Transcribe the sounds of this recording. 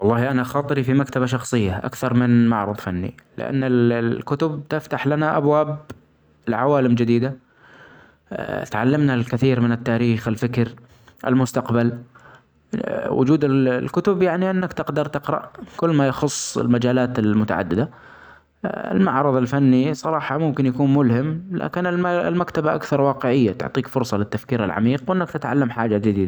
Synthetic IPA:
wɑlˤːɑːhʔanaxɑːt̪ˤɨɾifimakt̪abaʃɑxsˤɨjːaʔa̰kθɑɾˤmɪnma̰ʕɾˤɑðˤfanːḭlɪ̰ʔa̰nːɪlkʊt̪ʊb̚t̪ɪft̪aħlanaʔabwaːb | lʕawaːlɪmd͡ʒɪd̪iːd̪a | t̪ʕalːamnalkɪθiːɾmɪnɪt̪ːaːɾiːxɪlfɪkɾ | ʔɪ̰lmʊst̪aqbal | wʊ̰d͡ʒuːd̪ɪllkʊt̪ʊbjaʕniʔɪnːakt̪ɪqd̪ɑɾˤt̪ɪqɾˤɑ̰ʔkʊlːmajɑxʊsˤːɪ̰lmad͡ʒaːlaːt̪ɪlmʊt̪a̰ʕa̰d̪ːɪd̪a | ɪ̰lmaʕɾˤɑðˤɪlfanːisˤɑɾˤɑːħɑmʊmkɪnjakuːnmʊlhɪmlʔa̰ːkɪnɪlma̰lmakt̪abaʔa̰kθɑɾˤwɑːqɪʕɪjːat̪ʊ̰ʕt̪ˤiːkfʊɾsˤɑlɪt̪ːafkiːɾɪ̰lʕa̰miːqwʔɪnːakt̪ɪt̪ʕalːamħaːd͡ʒad͡ʒɪd̪iːd̪a

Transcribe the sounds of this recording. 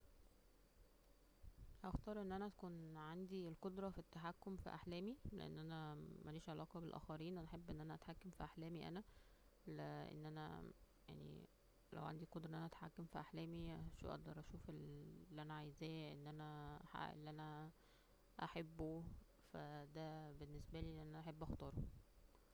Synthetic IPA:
hæxt̪ɑːɾˤʔenːʔænæt̪kuːnʕand̪ielqod̪ɾˤɑfit̪ːaħakːomfḭʔa̰ħlæːmilḛʔḛnːʔænæmæliːʃʕelɑːqɑbelʔæ̰ːxæɾiːnʔæneħebːʔenːʔænæʔæt̪ħakːæmfiʔaħlæːmiʔæ̰næ | leʔḛnːʔænæ̰ | ja̰ʕnḭ | læ̰wʕa̰nd̪ikod̪ˤɾɑʔnʔænæʔæt̪ħa̰kːæmfiʔaħlæːmiʃṵʔɑ̰ɡ̚d̪ɑɾˤʔæʃuːfelːʔænæʕajzæːʔenːʔænæħa̰ʔḛlːʔænæ | ʔaħebːo | fæd̪æbenːesbæliːenːʔænæʔæħebːʔɑxt̪ɑːɾˤo

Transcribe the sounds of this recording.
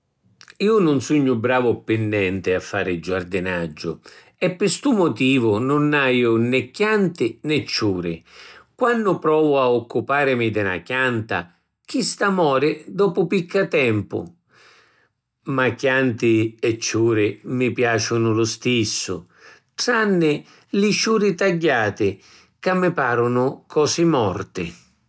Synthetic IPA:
iːʊnʊnsuɲːʊbɾaːvʊpɪnːɛnt̪ɪafːaːɾɪd͡ʒard̪ɪnad͡ʒːʊ | ɛpːɪst̪umʊt̪iːvʊnʊnajʊnɛkːjant̪ɪnɛt͡ʃːuːɾɪkwanːʊpɾɔːvʊaɔkːupaːɾɪmɪd̪ɪna̰kjant̪a̰ | k̟ist̪amɔːɾɪd̪ɔːpʊpikʰːat̪ɛmpʊ̰ | makːjant̪ɪɛt͡ʃːuːɾɪmɪpjaːt͡ʃʊnʊlʊst̪isːʊ̰ | ʈɾanːɪ | lɪt͡ʃuːɾɪt̪aɟːaːt̪ɪ | kamːɪpaːɾʊnʊkʰɔːsɪmɔrt̪ɪ̰

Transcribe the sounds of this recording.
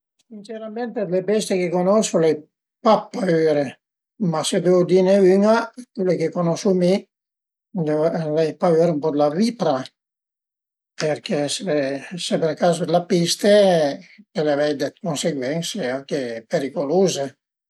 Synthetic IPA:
sint͡ʃeɾamɛnt̪ed̪lebɛst̪ekekonɔsolɛj | papːaøɾe | mased̪eod̪ineyŋakwilekekonɔsumi | d̪elɛjpaøɾumpɔd̪lavipɾa | peɾkɛseesepeɾelkazod̪elapist̪e | peleavɛjd̪ekonseɡwɛŋseaŋkepeɾikoloːze

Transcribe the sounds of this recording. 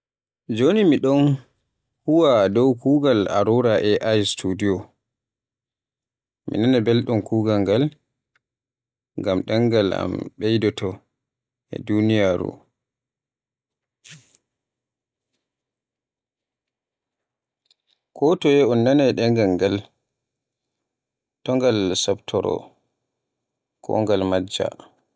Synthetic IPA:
d͡ʒonimiɗɔn | huwadɔwkuːɡala̰ɾuɾaʔɛʔajstʰudiɔ | mḭnanabɛlɗɔnkuːɡaŋɡal | ŋɡamɗɛŋɡala̰mɓɛjdɔtʰɔ | ʔɛ̰dunijaɾṵ | kʰɔtɔjɛɔnːanaɗɛŋɡaŋɡal | tɔŋɡalsaptʰɔɾɔ̰ | kʰɔ̰ŋɡalmad͡ʒːa̰

